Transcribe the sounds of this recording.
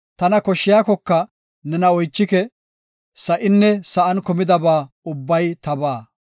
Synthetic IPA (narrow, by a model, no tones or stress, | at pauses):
t̪ɐnɐkɔʃːɪjaːkɔkːɐ | nɛnɐɔjt͡ʃːɪkɛ | sɐʔɪnːɛsɐʔɐnkɔmɪd̪ɐbaː | ʊbːɐjt̪ɐbaː